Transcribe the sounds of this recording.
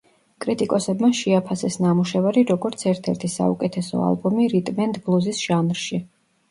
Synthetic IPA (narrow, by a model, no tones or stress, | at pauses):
kʼɾit̪ʼikʼɔsɛbmaʃiapʰasɛsnamuʃɛvaɾiɾɔɡɔɾt̪sʰɛɾt̪ʰɛɾt̪ʰisa̰ṵkʼɛt̪ʰɛsɔ̰a̰lˠbɔmiɾit̪ʼmɛnd̪blˠuzisʒ̥anɾʃi